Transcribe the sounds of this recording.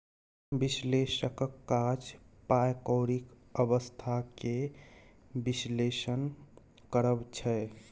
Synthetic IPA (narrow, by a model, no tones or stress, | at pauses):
bislesəkkːad͡ʒpajkəwɾik | əbəst̪ʰake | bislesən | kəɾəbt͡ʃʰɛ